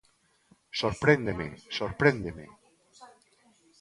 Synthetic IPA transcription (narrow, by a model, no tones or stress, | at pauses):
soɾpɾend̪emḛsoɾpɾend̪emḛ